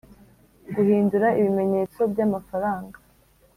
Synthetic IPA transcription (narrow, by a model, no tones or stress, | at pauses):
ɡuhiːnduɾaiβime̞ɲe̞ːt͡so̞bɟamafaɾaːŋɡa